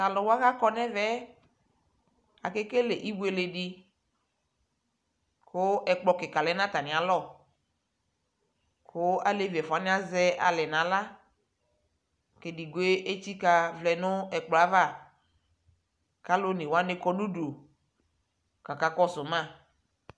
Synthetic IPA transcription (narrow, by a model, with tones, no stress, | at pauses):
a˨lɔ˨wo˦a˦ɣa˦kɔ˦nɛ̃˦vɛ˦ | a˨ke˦ke˦le˨ʔi˦bu˦e˨le˨ɖi˦ | ko˦ʔɛ˨k͡plɔ˨kɪ˨ka˨lɛ˨˦nã˦t̪a˨nɪ̃˨a˨lɔ˦˨ | ko˦a˨le˦vi˨ɛ˨fɔ˨a˨˦nɪ̃˦a˦zɛ˦a̰˨lɛ˨nã˨la˦ | ke˨di˨ɡo˦e˦ʔe˦t͡ɕi˦ka˦vlɛ˨nʊ̃˦ɛ˨k͡plɔ˨a˦va˦˨ | ka˦lo˦nẽ˨wo˦a˦ne˦kɔ˦nu˦ɖo˨ | ka˨ka˦kɔ˦sʊ˨mã˦˨